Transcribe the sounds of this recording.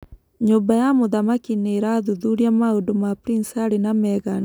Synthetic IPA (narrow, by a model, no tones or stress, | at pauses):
ɲobajamoðamakineɾaðuðuɾiamaodomapɾinsaɾenamɛɣan